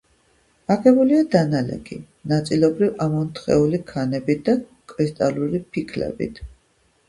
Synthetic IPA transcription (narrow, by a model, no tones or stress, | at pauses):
aɡɛbuliad̪analɛ̰ɡi | nat̪sʼilɔbɾivamɔnt̪ʰχɛ̰ulikʰanɛbit̪̚ʰd̪akʼɾist̪ʼaluɾipʰikʰlɛ̰bḭt̪ʰ